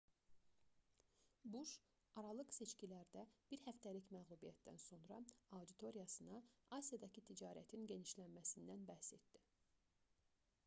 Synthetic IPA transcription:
buʃ | ɑɾɑlˠɯqse̞t͡ʃcilæɾd̪æb̥iɾhæft̪ælicmæɣlˠubijæt̪d̪æ̰nso̞nɾɑɑwd̪it̪ʰo̞ɾijɑsɯnɑɑsijɑd̪ɑcʰit̪ʰid͡ʒɑːɾæ̰t̪ʰinɟe̞niʃlænmæsind̪ænbæhse̞t̪d̪i

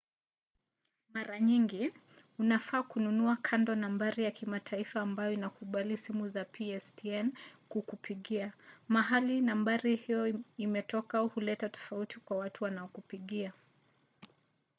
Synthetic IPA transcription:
maɾaɲiŋɡi | unafaːkununuakʰandɔnambaɾijakimatʰaifaːmbajɔinakuɓalisimuzapʰiɛstiɛnkukupʰiɠiamaɦalinambaɾihijɔimɛtɔkauhulɛtatɔ̥fautikwawatuwanaɔkupiɠia

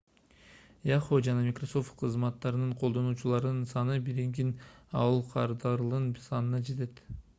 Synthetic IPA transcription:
jɑχod͡ʒɑnɑmʲikroso̞ft̪̚qʰɯzmɑt̪ːɑɾɯnɯɴqʰo̞lˠd̪o̞nuːt͡ʃulˠɑɾɯnɯnsɑnɯbiɾiŋɡinɑ̰wɯlˠqʰɑɾd̪ɑɾlˠɯnsɑnɯnɑd͡ʒe̞t̪e̞t̪

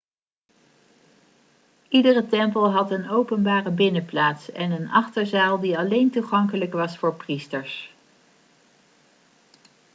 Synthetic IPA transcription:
idərətɛmpəlˠɦɑtənowpənbaːrəbɪnəplaːtsɛnənɑχtəɹzaːlˠdiɑlejntuχɑŋkələkʋɑsfʊːɹpristəɹs

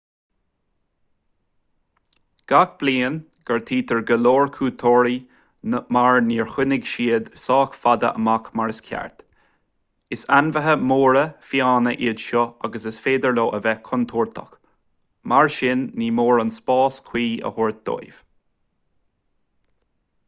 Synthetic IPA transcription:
ɡ̥ak̚b̥liːən | ɡ̥əɹt̪ʰiːt̪əɹɡəloːɹkʰuːt̪ʰoːɹi | əmaɹniːɹxʊnɪɡʃiːəd̪sɑːkfad̪ə̰ʔə̰makmaɹɪskʰa̰ɹt̪ | ɪsanvəɦəmoːɹəfiaːnəʔɪdʃɔaɡəsɪsfeːd̪əɹloːʔəvɛkʰɔnt̪ʰuːɹt̪ʰə̰k | maɹʃɪnːiːmoːɹanspɑːskʰw̥iːə̰hʊɹt̪̚d̪̥o̰jv̥

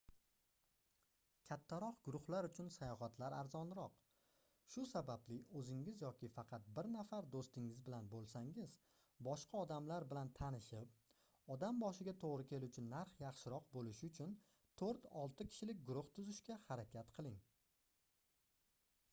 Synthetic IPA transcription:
kʲʰat̪ʰːaɾɒqɡ̥ʊɾʊχlaɾʊt͡ʃʰʊnsajɒhat̪ʰlaɾa̰ɾzɒnɾɒq | ʃʊsabablɪɵzɪŋɪzjɒkʲɪfɑqʰɑt̪̚bɪɾnafaɾd̪ost̪ɪŋɪzbɪlanbolˠsaŋɪz | bɒʃqʰɑɒd̪amlaɾbɪlant̪ʰanɪʃɪp̚ | ɒd̪ambɒʃɪɡʲat̪ʰoʁɾɪkʲʰe̞lʊt͡ʃʰɪnːaɾχjɑχʃɪɾɒqbolɪʃɪʊt͡ʃʰʊn | t̪ʰoɾt̪ɒlˠt̪ɪkʲʰɪ̥ʃɪlɪk̚ʲɡʊɾʊht̪ʰʊzɪʃkʲahaɾakʲʰat̪qʰɨlˠɪŋ

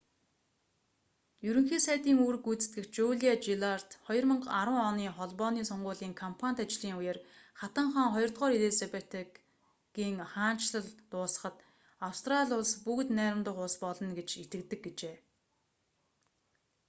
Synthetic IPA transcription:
jɵɾɘ̆ŋxiːsæːt̪iːŋuːɾɘ̆kut͡sɘ̥̆t̪ɡɘ̆xt͡ɕuɮiat͡ɕiɮar̥t̪χɔjɞ̆rmə̆ɴɢaɾwə̆ŋɔniːχɔɮpɔːniːsɔɴɢʊːɮiːŋkʰɔmpʰanʲt̪at͡ɕɮiːŋʊjə̆rχat̪ə̆ɴχaːŋχɔjɞrt̪̚ʁɔːɾiɮesepet̪ | ɡiːŋχaːn̥t͡ɕɮə̆ɮt̪ʊːsə̥̆χə̆t̪ | awst̪ʰraɮʲʊɮspuk̆t̪næːɾʲɪ̆mt̪ə̆χʊspɔɮɞ̆nɡet͡ɕit̪ɘ̆k̚t̪ɘ̆k̚ɡet͡ɕeː

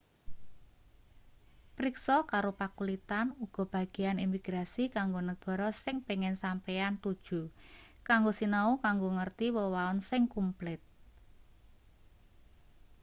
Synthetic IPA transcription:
pɾiksɔkaɾopakulit̪anuɡ̥ɔ̤b̥ä̤ɡ̥ianimiɡ̥ɾasikaŋɡonəɡ̥ɔ̤ɾɔsɪŋpeŋɪnsampeant̪ud̥ʒ̥ṳkaŋɡosinaukaŋɡoŋərt̪iwəwaɔnsɪŋkumplɪt̪̚

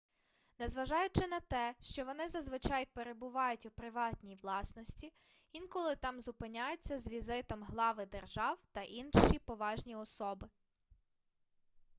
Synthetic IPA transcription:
nɛzʋɐʒɑjʊt͡ʃɪnɐt̪ɛʃt͡ʃɔʋɔnɪzɐzʋɪt͡ʃɑjpeɾebʊʋɑjʊtʲupɾɪʋɑt̪ʲnʲijʋlˠɑsnɔsʲtʲi | inkɔlˠɪt̪ɑmzʊpɪnʲajʊt͡sʲːɐzʋʲizɪt̪ɔmɦlˠɑʋɪd̪erʒɑwt̪ɐʔinʃipɔʋɑʒnʲiɔsɔbɪ

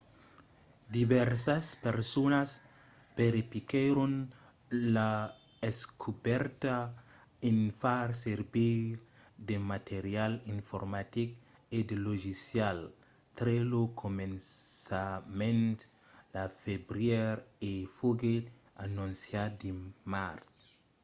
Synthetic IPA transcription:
d̪ibɛɾsaspeɾsonas | beɾipikeɾon | la | eskʰubɛɾt̪a | enfaɾseɾbiɾ | d̪emat̪ʰeɾjalinfoɾmat̪ik | ed̪eloʒisjal | t̪ɾelokʰomensamẽnt̪ | lafebɾjeɾefoɡe | anũnsjad̪emaɾs

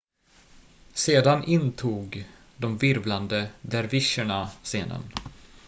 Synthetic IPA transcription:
seːd̪anʔɪnt̪ʰuːɡ | d̪ɔmvɪɾvland̪əd̪æɾvɪʂəɳaseːnə̰n

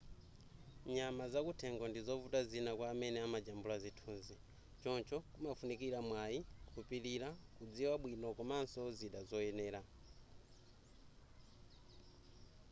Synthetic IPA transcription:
ɲamazakutʰɛŋɡɔndizɔvutazinakwaːmɛnɛamad͡ʒambulazitʰuːnzi | t͡ʃɔnt͡ʃɔkumafunikiɾamwajikʰupiɾiɾakud͡ziwaɓwinɔkɔmansɔziɗazɔjɛnɛːɾa

